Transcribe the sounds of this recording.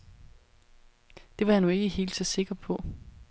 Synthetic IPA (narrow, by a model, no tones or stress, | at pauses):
d̥e̝ʋɑ̈janue̝ɡ̥əɦe̝̰ːld̥sɒ̽se̝ɡ̥ɐpʰɒ̽